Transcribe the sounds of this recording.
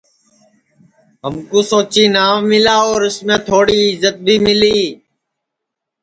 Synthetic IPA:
ɦəmkuːsoːt͡ʃiːnaːmɪlaːoːɾɪsmẽːt̪ʰoːɽiːɪzət̪̚bʱiːmɪliː

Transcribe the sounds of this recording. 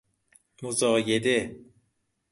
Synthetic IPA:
mozɔːjed̪e

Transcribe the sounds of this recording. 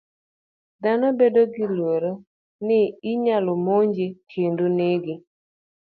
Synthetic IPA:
d̪anɔbedoɡɪlweɾo | nɪɪɲalomoɲd͡ʒetʰenduneɡɪ

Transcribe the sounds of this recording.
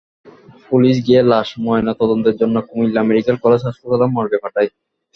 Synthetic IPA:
puliʃ̬ɡielaʃmɔenat̪ɔd̪ont̪eɾd͡ʑonːokumilameɾikaɾkɔled͡ʑɦaʃpokalamːɔɾbepaʈʰaj

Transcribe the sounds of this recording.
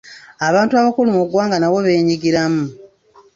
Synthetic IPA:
aβaːntuaβakulumuɡwaːŋɡanaβe̞βe̞ːɲiɡiɾamu

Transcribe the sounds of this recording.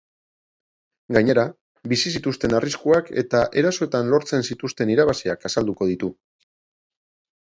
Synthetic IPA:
ɡaɲe̞ɾa | bisisit̪ust̪e̞nariskuake̞̰t̪aʔe̞ɾaso̞e̞t̪anlo̞ɾt͡se̞nsit̪ust̪e̞niɾaβasiakasald̪uko̞ð̞it̪u

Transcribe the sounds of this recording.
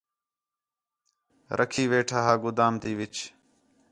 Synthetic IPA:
ɾʔəkʰiːʋeːʈʰaːɦaːɡʊd̪aːmt̪iːʋɪt͡ʃ

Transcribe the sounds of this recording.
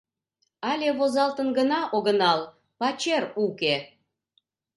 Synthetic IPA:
ɑlʲeβozɑlt̪ənɡənɑʔoɣənɑl | pɑt͡ɕeruke

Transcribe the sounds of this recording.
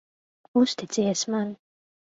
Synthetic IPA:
ust̪it̪siɛsman

